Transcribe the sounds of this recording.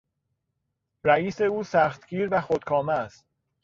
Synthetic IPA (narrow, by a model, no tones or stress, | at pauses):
ɾæiːseuːsæxt̪ɡiːɾvæxod̪̥̚kʰɒːmæst̪̚